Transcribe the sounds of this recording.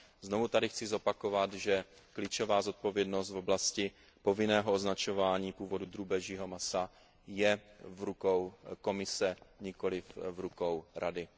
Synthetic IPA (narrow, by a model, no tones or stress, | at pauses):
zno̞vut̪adɪxt͡sɪzo̞pakovat̪ʒɛ | klɪt͡ʃo̞vaːzo̞t̪̚po̞vjɛdno̞st̪voblascɪ | po̞vɪnɛːɦooznat͡ʃo̞vaːɲiːpuːvo̞dud̪ɾuːbɛʒiːɦo̞masa | jɛvɾukowko̞mɪsɛɲɪko̞lɪfvɾukowɾadɪ